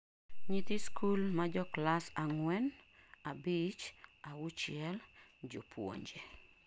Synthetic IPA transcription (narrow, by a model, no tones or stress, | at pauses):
ɲit̪ɪskʰulmad͡ʒɔklasaŋwɛn | abit͡ʃawut͡ʃɪɛl | d͡ʒo̰pwo̰ɲd͡ʒe